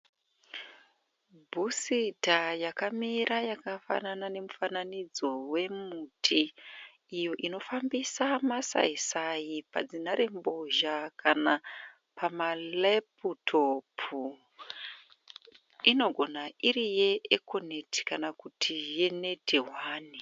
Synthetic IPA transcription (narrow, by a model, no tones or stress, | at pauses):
bʱusitajakamiɾajakafa̰nanane̞mufananid͡zo̞we̞muːtʰiː | jo̞ʔino̞fambisamasa̰isajipa̰d͡zinaɾe̞mbo̞ʒakʰana | pamaleputʰopʰu | ino̞ɡʱo̞naiɾije̞eko̞neti̥kanakutʰije̞ne̞teɦwaːni